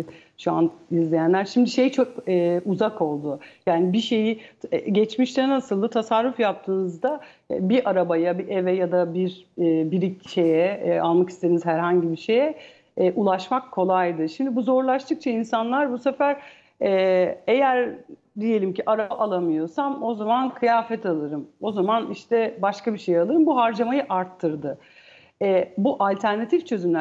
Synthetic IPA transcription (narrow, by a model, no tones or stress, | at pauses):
ʃuanizlʲijænlʲæɾʃimd̪iʃe̞jt͡ʃʰokɛuzako̞lˠd̪ʊjaːnibiʃe̞jiɟɛt͡ʃmiʃt̪ʰɛnasɯlˠd̪ɯt̪ʰasaɾːufjap̚t̪ʰɯːnɯzd̪a | biʔaɾabajabiʔevɛjad̪abiɾɛbiɾit͡ʃʰe̞jɛalˠmaki̥st̪ʰed̪inizhæɾɦaɲɟibiʃe̞jɛ | ʔulˠaʃmakʰːo̞lˠajd̪ɯʃimd̪ibuzo̞ɾlˠaʃt̪ʰɯk̚t͡ʃʰainsanlˠaɾbusefæɾ̥ | ɛejæɾ | d̪ije̞lʲimcʰiʔaɾaaʔalˠamɯjo̞samo̞zamankʰɯjaːfɛt̪ʰalˠɯɾɯmo̞zamaniʃt̪ʰɛbaʃkabiʃe̞jalˠɯɾɯmbuɦaɾd͡ʒamajɯʔaɾt̪ʰːɯɾd̪ɯ | ɛbuʔalʲt̪ʰæɾnat̪ʰift͡ʃʰø̞zymlʲæ